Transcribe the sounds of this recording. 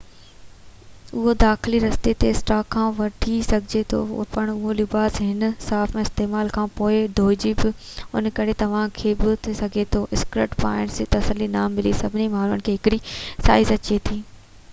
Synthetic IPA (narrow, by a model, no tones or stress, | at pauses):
ʊɦod̪aːxliɾɐst̪et̪eɪsʈaːkʰːãːʋɐʈʰisɐɡʱɪd͡ʑet̪ʰo̰pɐɽ̃ʊɦolɪbaːsɦɪnsaːfmẽːɪst̪eːmaːlkʰãːpoːɪd̪ʱoːd͡ʑibɪ | ʊnkɐɾet̪ɐʋ̤ãkʰeːbʊt̪ʰisɐɡʱet̪ʰoːʔɪskɾɪʈpa̰ːɪɳst̪ɐsəlinaːmːɪlisɐbʱɪnimaːnuənkʰeːɦɪkɪɽisa̰ːɪzɐt͡ɕet̪ʰiː